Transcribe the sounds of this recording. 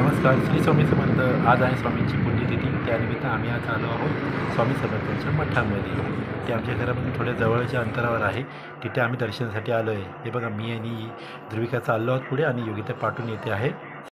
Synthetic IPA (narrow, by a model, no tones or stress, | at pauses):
nəməskaɾsɾiːsʋamiːsəmənd̪ʱəad͡zaɦesʋamiɲt͡ɕiːpunːit̪it̪iːt̪janimit̪aːm̤iːat͡saloaɦot̪sʋamiːsəmbənt̪aɲt͡ɕaməʈʰaməd̪ʱjḛt̪eamt͡ɕjaɡʱəɾaməd̪ʱĩt̪ʰoɽjad͡zəʋəɭt͡ɕjaənt̪əɾaʋəɾaɦe | t̪it̪ʰeam̤iːd̪əɾɕənasaʈiːalojeɦebʱəɡamiːjaniː | d̪ɾuʋikat͡səalːoaɦot̪̚puɽeaɽ̃ijoɡit̪apaʈʰuːnjet̪eaɦe